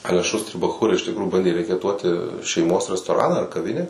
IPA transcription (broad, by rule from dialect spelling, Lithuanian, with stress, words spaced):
ˈɑːlʲɛ ˈʃuːsʲtʲrʲɪ bɐˈxuːrɐɪ ɪʃ tʲɪkˈruːjuː ˈbɐnʲdʲeː rʲɛkʲɛˈtuɔtʲɪ ʃʲɛɪˈmoːs rʲɛstoːˈrɑːnɑː ɐr kɐˈʋʲɪnʲæː